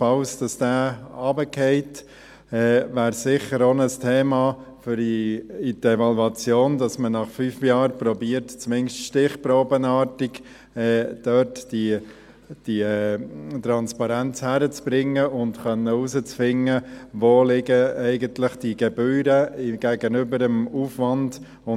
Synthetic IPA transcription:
fɑʊsd̥ɑsd̥æːɑːbəkʰɛɪt | ɛːvæːɾsɪχəɾonəstʰeːmɑfʏɾiidɛvɑlwɑt͡sjoːndɑsmənɑχfyːfjɑːɾpɾɔbiəɾtt͡smɪŋʃtʃtɪχpɾoːbənɑːtɪɡ | ɛːd̥œːtd̥i | d̥i | t̪ɾɑnspɑɾænt͡shæɾət͡sb̥ɾɪŋːəʊndχœnːəusət͡sfɪŋːəʋoːlɪɡəɛɪɡənt̪ləχd̥iɡɛbyːɾəɡ̥æɡənʏbəɾəmuːfʋɑnd̥ | ʊ

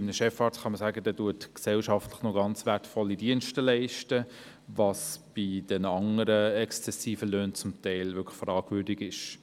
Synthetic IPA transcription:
ɪmnəʃɛfɑːtχɑməsæːɡədɛːduətksɛlʃɑftləχnoɡɑnt͡sʋætfɔlːidiənʃtəlɛɪʃtə | vɑsb̥ɪdɛnɑŋəɾəɛkst͡sɛsiːfəløːnt͡sʊmtɛɪlvʏkʰəχfɾɑːɡvʏɾdiɡɪʃ

